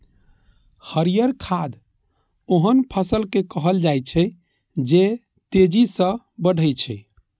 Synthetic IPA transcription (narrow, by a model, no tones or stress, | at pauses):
həɾijəɾkʰad̪ | oɦənpʰəsəlkekəɦəld͡ʒajt͡ʃʰɛ | d͡ʒe | t̪ed͡ʒisə̃ | bəɽ̤ʱəjt͡ʃʰɛ